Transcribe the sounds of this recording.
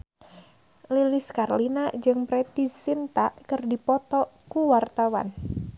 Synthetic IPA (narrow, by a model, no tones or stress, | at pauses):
liliskarlinad͡ʒɨŋpɾɛt̪isint̪akɨrdipɔt̪ɔkuwart̪awa̰n